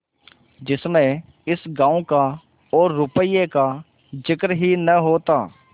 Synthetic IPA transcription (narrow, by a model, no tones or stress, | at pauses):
d͡ʒɪsmẽ | ɪsɡãːõka | ɔːɾːʊpəiːeːka | d͡ʒɪkɾɦinəɦoːt̪aː